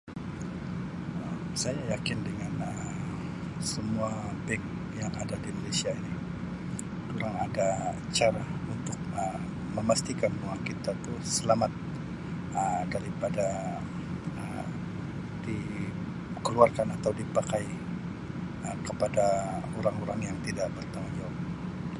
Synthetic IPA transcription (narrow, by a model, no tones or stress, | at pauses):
əmsajajakɪndəŋanəm | səmuabɛk̚ | jaŋadadinolesiaini | kuɾaŋadat͡ʃaɾaunt̪ʊk̚əm | məmast̪ikanmuakit̪at̪usəlamat̪̚ | ədaɾipada | ə | di | kəluarkanat̪awdipakaj | əkəpadaoɾaŋoɾaŋjaŋt̪idaʔbərt̪amad͡ʒawa